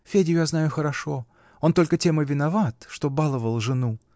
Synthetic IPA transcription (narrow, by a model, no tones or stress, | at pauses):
fʲedʲɪjʊjaznajʊxəɾɐʂo̞ | o̞nt̪o̞lʲkətʲe̞məvʲɪnɐvat̪ʂt̪o̞balˠəvəlˠʐɨnu